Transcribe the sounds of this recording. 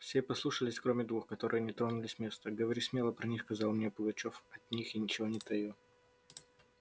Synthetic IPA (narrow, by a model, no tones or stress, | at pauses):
fsʲepɐslˠuʂəlʲɪsʲkɾomʲɪd̪vuxkɐt̪o̞ɾɨjənʲɪt̪ɾonʊlʲɪsʲmʲe̞st̪əɡəvɐɾʲisʲmʲelˠəpɾɐnʲixkɐzɑlˠmnʲepʊɡɐt͡ɕofɐt̪ʲnʲixinʲɪt͡ɕɪvo̞nʲɪt̪ɐju